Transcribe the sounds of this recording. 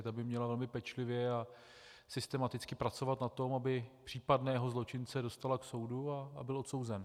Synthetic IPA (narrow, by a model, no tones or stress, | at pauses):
t̪abɪmɲɛlavɛlmɪpɛt͡ʃlɪvjɛa | sɪst̪ɛmat̪ɪt͡skɪpɾat͡so̞vat̪nat̪o̞mabɪpr̥iːpadnɛːɦo̞zlo̞t͡ʃɪnt͡sɛdo̞st̪alakso̞wdua̰ːbɪlʔo̞t̪so̞wzɛn